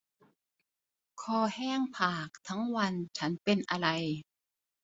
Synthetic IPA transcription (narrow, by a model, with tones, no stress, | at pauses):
kʰɔː˧˩hɛː˥˩ŋpʰaː˨˩k̚t̪ʰa˦˥ŋwa˧nt͡ɕʰa˦˥npe˧nʔa˧ɾa˧j